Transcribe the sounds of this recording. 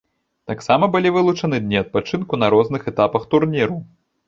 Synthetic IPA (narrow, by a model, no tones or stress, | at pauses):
t̪aksamɐbɨlʲivɨlˠut͡ʂɐnɨd̪ʲnʲiɐt̪̚pat͡ʂɨnkunɐɾɔznɨxɛt̪apɐxt̪urnʲiɾu